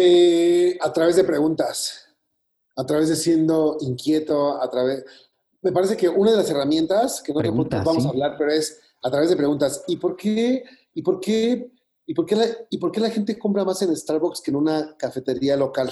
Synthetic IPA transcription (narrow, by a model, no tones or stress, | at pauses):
eat̪ɾaβe̞zðe̞pɾe̞ɣunt̪as | at̪ɾaβe̞zðe̞sje̞nd̪o̞iŋkje̞t̪o̞at̪ɾaβes | me̞paɾe̞s̬e̞ke̞ʔunað̞e̞las̬e̞ramjẽ̞nt̪askenot̪eoβamos̬aːβlaɾpe̞ɾo̞es | at̪ɾaβezð̞epɾe̞ɣunt̪asipo̞ɾke | ipo̞ɾke̞ | ipo̞ɾke̞laipo̞ɾke̞laxe̞nt̪̬e̞kumpɾamase̞nest̪aɾβokske̞nũnakafe̞t̪e̞ɾialo̞kal